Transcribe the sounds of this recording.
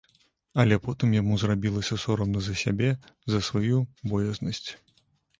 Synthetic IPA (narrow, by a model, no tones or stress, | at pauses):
ɐlʲɛpɔt̪ɨmjamuzrabʲilˠɐsʲɐsɔɾɐmnɐzɐsʲabʲɛ | zɐsvajubɔjɛznɐsʲt͡sʲ